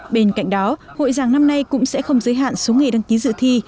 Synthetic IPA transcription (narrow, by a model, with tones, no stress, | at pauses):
ɓe˧nka̰˧˨jŋ̟̚ɗɔ˨˦ho̰˧˨jzaː˨˩ŋna˧mna˧jkʊ̰˧˥ŋ͡msɛ̰˧˥xə˧wŋ͡mzəː˨˦jɦa̰ː˧˨nso˨˦ŋa˨˩jɗa˧ŋki˨˦zɨ̰˧˨t̪ʰi˧